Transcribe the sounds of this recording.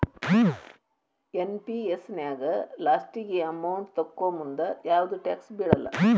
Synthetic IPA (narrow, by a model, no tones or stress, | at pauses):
enpiesnjaːɡɐlaːsʈiɡeɐmɐwnd̪t̪ɐkːoːmund̪ɐjaːʋɐd̪uʈaːksbiːɽɐlːɐ̰